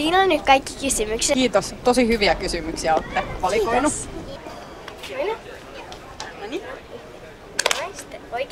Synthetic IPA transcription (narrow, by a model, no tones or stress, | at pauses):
iːnonnyk̪kɑikːi̥kysymyksekiːt̪ost̪osihyʋiækysymyksiæot̪ːepɑlikːoonu | t̪oik